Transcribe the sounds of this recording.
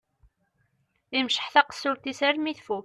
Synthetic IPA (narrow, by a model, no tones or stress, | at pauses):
imʃə̥ħθæqə̥sːult̪isæɾmiθfu